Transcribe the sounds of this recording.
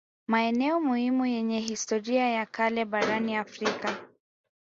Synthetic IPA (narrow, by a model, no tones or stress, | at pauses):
maɛnɛɔmuhimujɛɲɛɦistɔɾiajakalɛɓaɾaniafɾika